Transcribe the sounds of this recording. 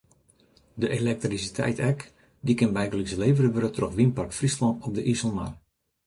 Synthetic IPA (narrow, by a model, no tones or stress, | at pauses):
dəʔelɛk̚trisitʰɛ̰jtɛk | dikɪnbɛjɡəlisəleːvəɾəʋøɾətroxʋinparktfrislɔnɔp̚dəʔisəlˠma̰r